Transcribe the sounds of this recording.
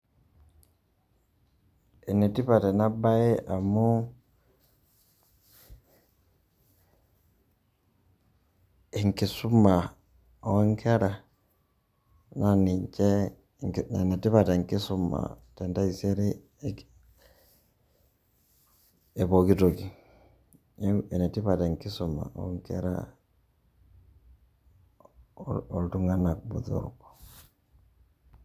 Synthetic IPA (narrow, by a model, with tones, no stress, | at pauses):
e˨ne˨ti˦pa˨te˨na˦ba˦e˦ʔa˨mu˦ | eŋki˨su˦ma˨ | o˦ŋkʰe˦ɾa˨ | naniɲt͡ʃe˦ | nɛ˨ti˦pa˨ta˨ŋki˦su˦ma̰˨ | tɛ˨nda˦i˨se˦ɾi˦ | e˨βo˨ki˦to˨ki˨ | ɛ˨nɛ˨ti˦pa˨ta˨ŋki˦su˨ma̰˨ɔ̰˦ŋkɛ̰˦ɾa̰ | ɔ˨ltu˦ŋɡa˦na˨kubṵ˨ðo̰˦˨ɾ̰kɔ̥